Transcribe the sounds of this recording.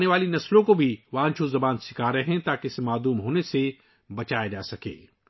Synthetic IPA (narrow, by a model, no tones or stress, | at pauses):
neʋaːlinɐslõkobʱiʋãːnt͡ʃʰozɐbaːnsɪ̥kʰaːɾɐɦɛ̃t̪aːkeɪsmaːd̪uːmɦoːnese | bɐt͡ʃaːjad͡ʒa̰ːsɐkḛː